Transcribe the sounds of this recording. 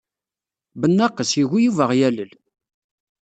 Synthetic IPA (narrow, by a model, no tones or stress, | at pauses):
bənːɑqəsjiɣijuvəʁjæləl